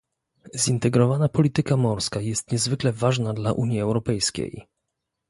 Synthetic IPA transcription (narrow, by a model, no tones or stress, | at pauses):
zint̪ɛɡɾɔvanapɔlʲit̪ɘkamɔɾskajɛst̪ɲɛzvɘklɛvaʐnad̪laʔuɲjiɛwɾɔpɛjskʲḛj